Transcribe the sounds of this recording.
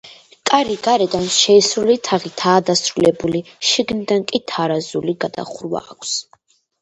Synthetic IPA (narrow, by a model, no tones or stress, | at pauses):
kʼaɾiɡaɾɛd̪anʃɛisɾulit̪ʰaʁit̪ʰaːd̪asɾulɛbuliʃiɡnid̪ankʼit̪ʰaɾazuliɡad̪̥a̰χɾwa̰ːkʰs